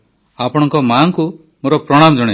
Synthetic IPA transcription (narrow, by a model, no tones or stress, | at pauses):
apɔɽ̃ɔŋkɔmaŋku | moɾɔpɾɔɽ̃amɔd͡ʒɔɽ̃e